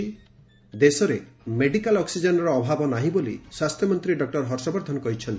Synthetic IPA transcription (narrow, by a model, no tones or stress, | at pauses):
i | d̪esɔɾemeɖikalɔksid͡ʒenɔɾɔːbʱabɔnaɦĩbolḭswast̪ʰjɔmɔnt̪ɾiɖɔk̚ʈɔɾɦɔɾsɔbɔɾd̪ʱɔnɔkɔɦit͡ʃʰɔnt̪i